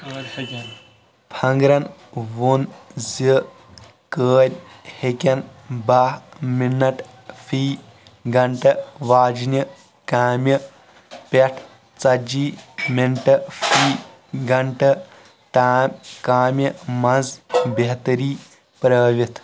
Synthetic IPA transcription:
pʰɐŋɡɾɐnʋonzi | kəːɾʲ | hekʲɐnbaːɦminːɐʈ | fʰiː | ɡɐɳʈɐʋaːd͡ʒnʲɐ | kaːmʲjɐ | pɐʈʰ | t͡sɐd͡ʒiːmiɳʈɐfʰiː | ɡɐɳʈɐ | ʈaːmʲkaːmjɐmɐzbɐɦt̪ɐɾiː | pɾəːʋit̪ʰ

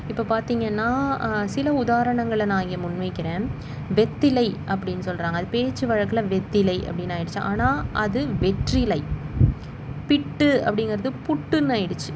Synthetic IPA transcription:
ɪpːopaːɾt̪iːŋɡɐnːaːsɪlɐʊðaːɾɐɳɐŋɡɐɭɐnãːŋɡeːmʊnmɐɪkːɪɾẽː | ʋɛt̪ːɪlɐɪʔɐp̬ːɐɽɪnːɯsɔlːrɾaːŋɡɐːðɯpeːt͡ʃːɯʋɐɻɐkːɯlɐʋɛt̪ːɪlɐɪʔɐ̰pːɐɽɪnːaːɪɽɯt͡ʃːɯ̃ʔa̰ːnaːʔɐðɯʋɛʈrɪlɐɪ | pɪʈːɯɐ̰pːɐɽɪŋɡɪɾɐðɯpʊʈːɯnaːɪɽɯt͡ʃːɯ̥

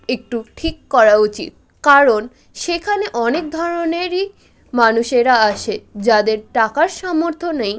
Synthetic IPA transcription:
ek̚ʈuʈʰikːɔɾaut͡ɕḭt̪̚ | kaɾon | ʃekʰaneʔɔnek̚d̪ʱɔɾoneɾi | manuʃeɾaaʃed͡ʑad̪eɾʈakaɾʃɔmoɾt̪ʰonej

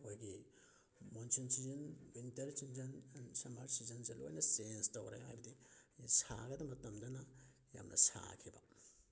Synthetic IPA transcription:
ojɡi | monsinsizɐnwintɐɾsinzɐnnsɐmaɾsizɐnzɐlo̰jnɐsenstɐwɾa̰jɦajbɐdijsa̰ɡɐdɐmɐtɐmdɐnɐ | ja̰mnʔɐ̰sa̰kʰibɐ̰

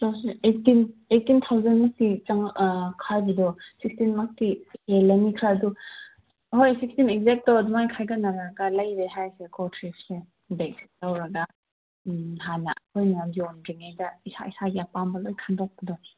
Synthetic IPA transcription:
tʰawseetinetːint̪ʰawzenmak̚tit͡ʃaŋkʰajbɐdɔsikstinmak̚tielɐmikʰɾaːdu | ɦojsikstinek̚zek̚tɔdumajkʰajɡanaɾaɡalɐjbeɦajsekɔtʰɾisse | beksi̥k̚lawɾɐɡa | ɦana̰hojnaadiɔnɾiŋajdaisa̰isaɡapambɐlojkʰandɔk̚pɐdɔ

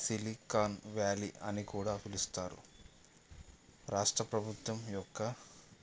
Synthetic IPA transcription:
silikaːnʋjaːlḭʔɐnikuːɽaːpʰilist̪aːɾṵ | ɾaːʂʈɾɐpɾɐbʱut̪ʋɐmjɔkːɐ

